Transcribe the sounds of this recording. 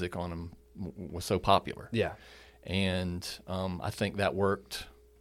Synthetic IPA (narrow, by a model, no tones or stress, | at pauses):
zɨkn̩ə̃m | wʌz̥soʊpʰɑpjl̩ˠə̰˞jæ | ʔɨ̃nʔʌ̃ma̰ɪθɪ̃ŋk̚ðɨʔwɜ˞k̚t